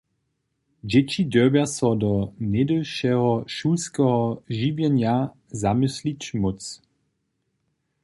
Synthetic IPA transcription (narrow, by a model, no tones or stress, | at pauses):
d͡ʒɛt͡ɕidəbjasɔdɔnɛdəlʃɛɦɔʃuskɛɦɔʒibjɛnja | zamɪslit͡ɕmot͡s